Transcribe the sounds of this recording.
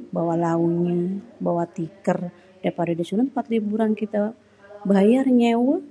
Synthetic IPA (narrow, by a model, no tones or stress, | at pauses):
bawalaunabawat̪ikər | dapadadisunampat̪libuɾankit̪a | bajarɲɛwə